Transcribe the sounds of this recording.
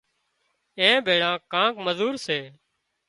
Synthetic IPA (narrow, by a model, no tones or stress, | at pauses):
ẽːbʱeːɽãːkãːkməzuːɾseː